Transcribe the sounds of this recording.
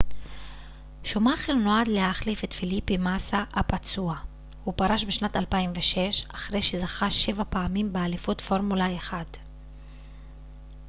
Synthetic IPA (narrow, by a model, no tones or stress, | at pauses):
ʃomaχelnoadlehaχlifetfilipimasaʔapat͡sua | hupaʁaʃbeʃnatalpaimveʃe̞ʃaχʁe̞jʃezaχaʃe̞vapaːmimbealifutfo̞ʁmulaeχad